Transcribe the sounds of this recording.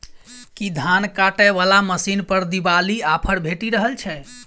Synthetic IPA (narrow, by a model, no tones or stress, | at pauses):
kid̪ʱankaʈɛʋalaməsinpəɾd̪ibaliapʰəɽbʱeʈiɾəɦəlt͡ʃʰɛ